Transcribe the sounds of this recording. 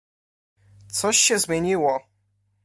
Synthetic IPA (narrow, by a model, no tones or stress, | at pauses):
t̪sɔɕːɛzmʲjeɲiwɔ